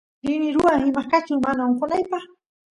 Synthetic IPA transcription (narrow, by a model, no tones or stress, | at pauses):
ɾɪnɪɾʊaŋhɪmakat͡ʃʊmanaŋqʊnajpɑχ